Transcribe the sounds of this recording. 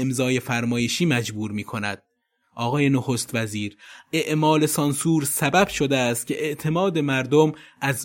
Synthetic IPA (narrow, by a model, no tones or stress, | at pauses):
emzɒːje̞fæɾmɒːjeʃiːmæd͡ʒbuːɾmiːkʰo̞næ̰d̪̥̚ | ʔɒːɣɒːje̞noxost̪væziːɾe̞ʔmɒːle̞sɒnsuːɾsæbæb̥ʃo̞d̪eæst̪̚cʰʲe̞ʔeʔt̪ʰe̞mɒːd̪e̞mæɾd̪omʔæz